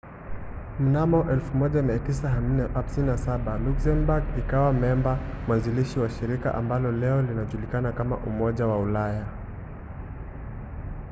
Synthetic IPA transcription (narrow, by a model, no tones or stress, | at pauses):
m̩namɔʔɛlfumɔʄamiatisaham̩nɛham̩sininasaɓaluksɛmbaɡikawamɛɛmbamwaziliʃiwaʃiɾika̰ʔa̰mbalɔlɛɔlinaʄulikanakama̰ʔumɔʄawaulaja